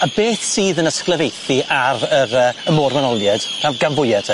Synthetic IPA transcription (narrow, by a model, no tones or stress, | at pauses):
abeːθsiːðənəskləvejθiʔaɾəɾəːəmoːrmanɔlˠjɛd̥r̥avɡanvʊjɛdʰ